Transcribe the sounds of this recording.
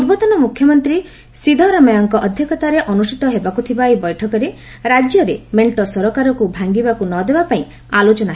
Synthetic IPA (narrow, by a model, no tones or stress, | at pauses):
uɾbɔt̪ɔnɔmukʰjɔmɔnt̪ɾi | sid̪ʱɔɾɔmɔjɔŋkɔʔɔd̪ʱjɔkɔt̪aɾeʔɔnusʈit̪ɔɦebakut̪ʰibaibɔjʈʰɔkɔɾe | ɾad͡ʒjɔɾemeɳʈɔsɔɾɔkaɾɔkubʱaŋɡibakunɔd̪ebapaĩ | alot͡ʃɔnaɦe